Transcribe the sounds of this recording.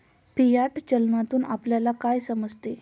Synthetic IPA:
pijaʈt͡ɕəlnat̪uːnapljalakajsəməd͡zʱt̪e

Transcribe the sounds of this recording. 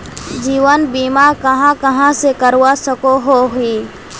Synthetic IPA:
d͡ʒiːʋənbiːmakəɦãkəɦãsekəɾwasəkoɦoɦʊiː

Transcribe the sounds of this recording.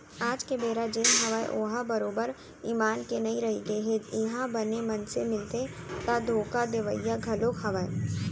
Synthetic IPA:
aːd͡ʒkebeːɾad͡ʒeːnɦɐʋaḛʔoːɦãbɐɾoːbəɾ | iːmaːnkenɐiɾɐɦiɡ̪eɦed̪ɪɦãbɐnemɐnsemɪlt̪e | t̪ad̪ʱoːkad̪eʋəijːaɡʱɐlokhɐʋae

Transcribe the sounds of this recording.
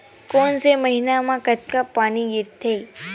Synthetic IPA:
konseməɦinamãkət̪kapaniɡɪɾt̪ʰːe

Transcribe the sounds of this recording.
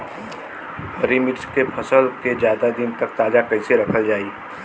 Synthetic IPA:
əɾimɪʈskepʰɐsəlked͡ʒjaːd̪ad̪ɪnt̪ɐk̚t̪aːd͡ʒakɐɦɪseɾɐkʰəld͡ʒaːiː

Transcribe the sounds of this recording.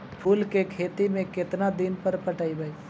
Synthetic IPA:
pʰuːlkekʰeːt̪imẽkɪt̪nad̪ɪnpəɾpəʈaːibʱəi

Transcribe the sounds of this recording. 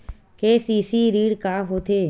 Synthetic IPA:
keːsiːsiːɾiːɽkaːɦoːt̪ʰeː

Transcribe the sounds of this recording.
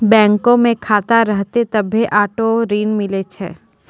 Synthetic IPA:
bɛ̃ːŋkõmẽkʰaːt̪aɾəɦt̪et̪ɐbʱeʔaːʈoɾiːnmɪlet͡ʃʰɛ̰ː

